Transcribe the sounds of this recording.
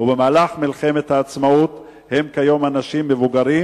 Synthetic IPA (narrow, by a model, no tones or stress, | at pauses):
ubemaːlaχmilχe̞me̞t̪haːt͡smaut̪ | he̞mkajo̞manaʃimːevuɡaɾi